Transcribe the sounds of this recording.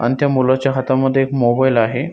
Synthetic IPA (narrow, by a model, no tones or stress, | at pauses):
a̰nit̪ʰjamulat͡ɕjaɦat̪aməd̪ʱːjeekmobailaɦe